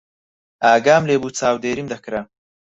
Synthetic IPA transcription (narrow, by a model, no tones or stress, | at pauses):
aːɡaːmleːbuːt͡saːwd̪eːɾimd̪ɐkɾɐ